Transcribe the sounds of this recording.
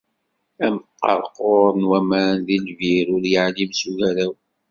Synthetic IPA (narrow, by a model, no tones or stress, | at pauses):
æmqːɑ̰ɾˤqoɾˤənwæmænðilviɾʊɾjaʕlimsuʝæɾæw